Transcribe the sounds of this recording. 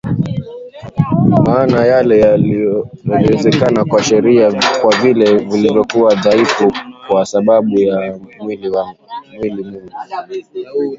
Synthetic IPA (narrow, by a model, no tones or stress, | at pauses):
maːnajalɛ | aiwɛzɛkanakwaʃɛɾiakwavilɛvilivjɔkuwaðaifukwasaɓaɓujamwilwamwilimiŋɡu